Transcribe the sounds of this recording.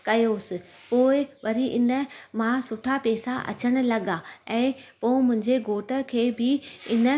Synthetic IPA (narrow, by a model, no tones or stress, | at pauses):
kɐjosɪ̆poːɪʋɐɾiʔɪnə̆mãsʊʈʰapeːsaʔɐ̰t͡ɕəɽ̃ʊ̆lɐɠaɛ̃ːpoːɪ̃mʊ̃ɦɪ̃ɲd͡ʑeɡoːʈə̆kʰeːbɪɪnə̆